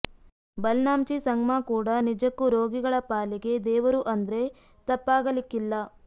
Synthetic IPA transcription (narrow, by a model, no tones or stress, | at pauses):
bɐlnaːmt͡ʃisɐŋɡmaːkuːɽɐnid͡ʒɐkːuɾo̞ːɡiɡɐɭɐpaːliɡe̞d̪ɛːʋɐɾuʔɐnd̪ɐɾe̞ | t̪ɐpːaːɡɐlikːilːɐ